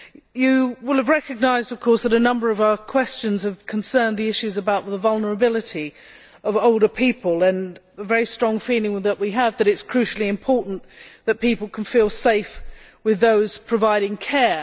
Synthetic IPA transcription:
jɨwɪlˠəvɹɛkɨɡ̚naɪzdʌv̥kʰɔɹsðəɾɨnʌ̃mbə˞ʌvaʊəkʰw̥ɛst͡ʃɨ̃nz̥əv̥kʰə̃n̩sɜ̃˞nðiɪʃʉzəbaʊt̪̚ðəvʌlˠnə˞əbɪlˠɨɾi | ʌvoʊlˠdə˞pʰipəlˠɨ̃n | əvɛɹistɹ̥ɔ̃ŋfilˠɪ̃ŋðəʔwiəvðɨɾɨtskʰɹ̥ʉʃl̩ˠiɨ̃mpʰɔɹʔn̩ðɨt̚pipl̩ˠkʰn̩filˠseɪfwɨðoʊz̥pʰɹ̥ɨvaɪɾɪ̃ŋkʰɛɹ

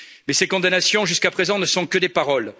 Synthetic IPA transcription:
mɛsekɔ̃d̪anasjɔ̃ʒyskapχezɑ̃nəsɔ̃kəd̪epaʁɔl

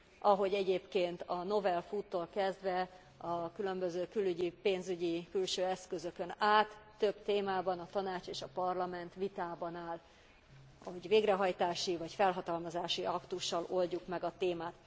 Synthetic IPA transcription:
ɒɦo̞ɟɛɟeːpkeːnt̪ɒno̞vɛlfuːt̪ːoːlkɛzd̪vɛ | ɒkylø̞mbøzøːkylyɟipeːnzyɟikylʃøːɛskøzø̞kønaːt̪ːø̞bt̪eːmaːbɒnɒt̪ɒnaːt͡ʃeːʃɒpɒrlɒmɛnt̪ʋit̪aːbɒnaːl | ɒoɟveːɡrɛɦɒjt̪aːʃivɒcfɛlɦɒt̪ɒlmɒzaːʃiʔɒkt̪uʃːɒlo̞lɟukmɛɡɒt̪eːmaːt̪

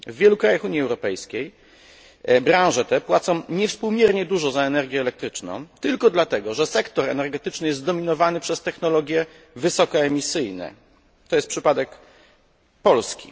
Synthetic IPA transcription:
vːʲjɛlukɾajaxuɲiɛwɾɔpɛjskʲej | bɾãw̃ʐɛt̪ɛpwat̪sɔ̃w̃ɲɛfspuwmʲjɛɾɲɛd̪uʐɔzaɛnɛɾɡʲjɛːlɛk̚t̪ɾɘt͡ʂnɔ̰̃w̃t̪ɘlkɔd̪lat̪ɛɡɔʐɛsɛkt̪ɔɾɛ̰nɛɾɡɛt̪ɘt͡ʂnɘjɛst̪d̪ɔmʲinɔvanɘpʂɛst̪ɛxnɔlɔɡʲjɛ | vɘsɔkɔɛmʲisɘjnɛ̰ | t̪ɔjɛst̪pʂɘpad̪ɛk | pɔlskʲḭ

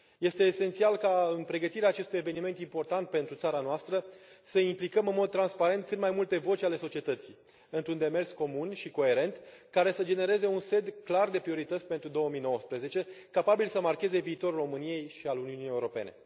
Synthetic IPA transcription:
je̞st̪e̞ːse̞nt̪sialkaɨnpɾe̞ɡət̪iɾeaːt͡ʃe̞st̪ujeve̞nime̞nt̪impo̞rt̪ant̪̚pe̞nt̪ɾut̪saɾanoast̪ɾəsəimplikəmɨnmo̞d̪̚t̪ɾanspaɾe̞nt̪̚kɨnd̪majmult̪e̞vo̞t͡ʃʲale̞so̞t͡ʃie̞t̪ət̪si | ɨnt̪ɾund̪e̞me̞rsko̞munʃiko̞e̞ɾe̞nt̪kaɾe̞səd͡ʒe̞ne̞ɾe̞ze̞unse̞d̪klard̪e̞pɾio̞ɾit̪ət̪sʲpent̪ɾud̪o̞əmijno̞wəspɾəze̞t͡ʃe̞kapabilsəmarke̞ze̞viːt̪o̞ɾulro̞mɨnije̞jʃialuniunijeuɾope̞̰ne̞̰

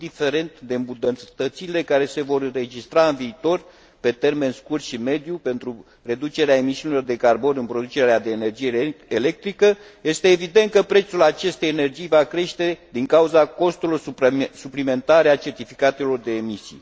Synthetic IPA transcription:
d̪ife̞ɾe̞nt̪d̪e̞mbud̪ət̪ət̪sile̞kaɾe̞se̞vo̞rɨnre̞d͡ʒist̪ɾaɨnviːt̪o̞r | pe̞t̪e̞rme̞nskurt̪ʃime̞d̪jupe̞nt̪ɾu | re̞d̪ut͡ʃe̞ɾeae̞misiunilo̞rd̪e̞karbo̞nɨnpɾo̞d̪ut͡ʃe̞ɾead̪e̞ːne̞rd͡ʒijeele̞k̚t̪ɾikə | je̞st̪e̞ːvid̪e̞nt̪̚kəpɾe̞t̪sulat͡ʃe̞st̪e̞jene̞rd͡ʒijvakɾe̞ʃt̪e̞d̪iŋkauzako̞st̪ulorsuplime̞nt̪aɾeat͡ʃe̞rt̪ifi̥kat̪e̞lo̞rd̪e̞ːmisḭ

